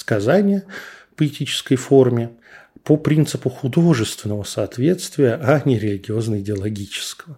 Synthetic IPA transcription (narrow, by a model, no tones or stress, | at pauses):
skɐzanʲɪjəpəɪtʲit͡ɕɪ̥skəjfo̞rmʲɪ | popɾʲint̪sɨpʊxʊd̪o̞ʐɨst̪vʲɪnːəvəsɐːt̪vʲe̞t̪st̪vʲɪjəʔanʲɪɾʲɪlʲɪɡʲɪo̞znəɪdʲɪɐlˠɐɡʲit͡ɕɪ̥skəvə